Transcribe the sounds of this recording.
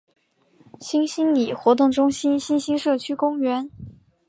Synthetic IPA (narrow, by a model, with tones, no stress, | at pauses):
ɕi˥nɕi˥nli˨˩xwɔ˧˥t̪̬ʊ˥˩ŋʈ͡ʂʊ˥ŋɕi˥nɕi˥nɕi˥nʂɤ˥˩t͡ɕʰy˥kʊ˥ŋɥɛ˧˥n